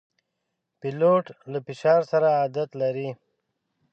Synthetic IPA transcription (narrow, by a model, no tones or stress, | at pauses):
piloʈlafɪʃɑːɾsaɾaːd̪at̪laɾi